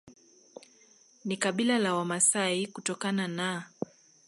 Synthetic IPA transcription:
nikaɓilalawamasaikutɔkanana

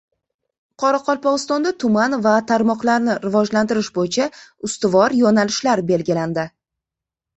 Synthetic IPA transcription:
qʰɒɾaqʰɒlˠpɒʁɨst̪ɒnd̪at̪ʰʊmanvat̪ʰaɾmɒqlaɾnɪɾɪvɒd͡ʒlant̪ɪɾɪʃbojɪt͡ʃʰaʊst̪ɪvɒɾjonalɪʃlaɾbe̞lɡʲɪland̪ɪ

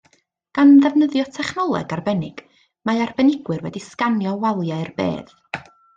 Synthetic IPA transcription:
ɡ̥anðɛvnəðjɔtʰɛχnɔlˠɛ̰ɡarbɛnɪɡ̥ | maɨarbɛnɪɡwɨrwɛ̰diskanjɔwalˠjaɨrbḛːð̥

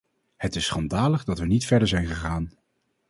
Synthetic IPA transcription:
hətɪsːχɑndaːləχdɑtʋənitfɛɹdəɹzɛjnχəχaːn

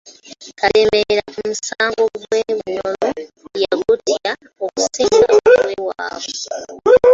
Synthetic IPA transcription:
kalemeɾakumusaːŋɡoɡweβuɲolo | jaɡutia | okuseːɡa̰wewa̰ːβo

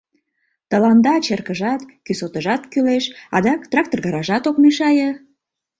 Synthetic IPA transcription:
t̪əlɑnd̪ɑt͡ɕerkəʒɑt̪kysot̪əʒɑt̪kyleʃɑ̰d̪ɑkt̪rɑk̚t̪orɣɑɾɑʒɑt̪okmeʃɑjə

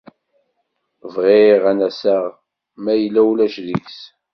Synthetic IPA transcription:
vʁeʁænæsæʁ | mæjəlːæwlæʃðiks

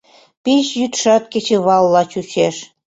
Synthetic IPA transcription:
piɕjyt̪ʃɑt̪̚ket͡ɕeβɑlːɑt͡ɕut͡ɕeʃ

